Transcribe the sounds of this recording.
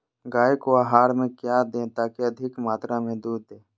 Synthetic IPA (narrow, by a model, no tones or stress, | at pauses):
ɡaːekoaːɦaːɾmẽkjaːd̪ẽːt̪aːkeɐd̪ʱɪkmaːt̪ɾãmẽd̪uːd̪ːẽː